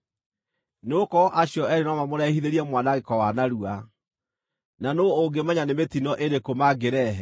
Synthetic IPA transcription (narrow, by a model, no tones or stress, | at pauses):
neokɔʔaɕjɔɛɾenɔmamoɾɛhiðeɾiɛmwanaɣekɔwanaɾua | nanooɡemɛɲanemetinɔʔeɾekomaɡeɾɛɦɛ